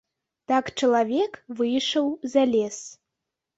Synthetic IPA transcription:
takʰʼʈ͡ʂʰilˠavʲekʰʼvɨjʂɐwzalʲes

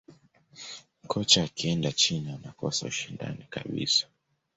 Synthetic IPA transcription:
kʰɔt͡ʃaːkiɛndat͡ʃinianakɔsa̰uʃinda̰nika̰ɓḭsḁ

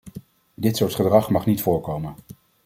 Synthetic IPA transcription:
dɪtsʊːɹtχədrɑχmɑχnitfʊːɹkowmən

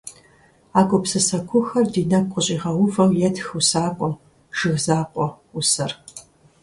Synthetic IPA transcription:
aːkʷʼʊpsɨsɐkʷʰʊxɐrdiːnɐkʷqʷʼʊɕʼiːʁɐwʊvɐwjɛtxusaːkʷʼɔm | ʒ̥ɨɣzaːqʷʼɔ | usɐr

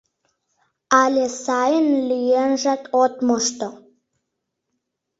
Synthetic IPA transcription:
alʲesajənlijenʒat̪ot̪moʂt̪o

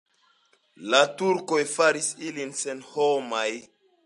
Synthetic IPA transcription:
latuɾkojfaɾisilinsenhomaj

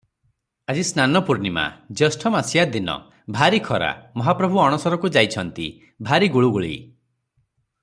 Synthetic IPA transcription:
ad͡ʒisnanɔpuɾnima̰d͡ʒɔsʈʰɔmasijad̪inɔ̰ | bʱaɾikʰɔɾa̰mɔɦapɾɔbʱuɔɽ̃ɔsɔɾɔkud͡ʒajt͡ʃʰɔnt̪ḭ | bʱaɾiɡuɭuɡuɭḭ

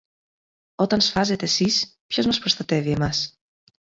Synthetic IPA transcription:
o̞t̪ɐnsfɐze̞t̪e̞sispço̞zmɐspɾo̞st̪ɐt̪e̞vie̞mɐs

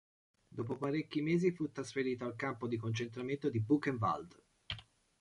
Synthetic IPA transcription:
d̪oːpopaɾekːimeːzifut̪ːɾasfeɾiːt̪oalkampod̪ikont͡ʃent̪ɾament̪od̪ibukːeɱva̰ld̪

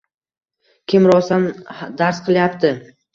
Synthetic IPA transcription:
kʲʰɪmɾɒsand̪aɾsqʰɨlˠjapt̪ʰɪ

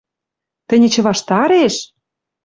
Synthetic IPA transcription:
t̪ə̆nʲɘ̆t͡ɕɤ̆βɑʃt̪ɑɾeʃ

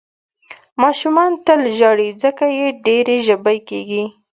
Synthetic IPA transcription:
mɑʃumɑnt̪əlʒɑɽid͡zəkajeɖeɾeʒəbəjkeɡi

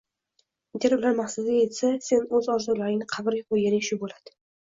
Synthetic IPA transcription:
d̪eɾʊlaɾmaχsad̪ʲjet̪sase̞nɵzɒɾzʊlaɾɪŋnɪqʰɑbɪɾʲɪʊjeɾɪʃʊbolad̪̥ɪ̥

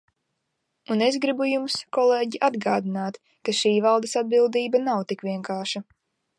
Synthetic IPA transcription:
unezɡɾibujumskɔleːɟiʔad̪ɡaːd̪inaːt̪ | kaʃiːvalˠd̪ɐsad̪̚bilˠd̪iːbanawt̪ikʋʲiɛŋkaːʃa

